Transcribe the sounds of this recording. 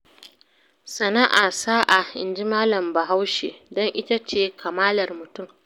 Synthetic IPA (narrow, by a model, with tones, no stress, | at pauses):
sɐ˨na˦ʔaː˨saː˦ʔaː˨ʔɪ̰˨nd͡ʒi˦maː˦lɐ˨mba˨ɦa˦wʃe˨dɔ˦ŋʔɪ˦ta˦t͡ʃeː˦˨kʰa˨maː˦lɐ˨rmʊ˨tʊ˦˨m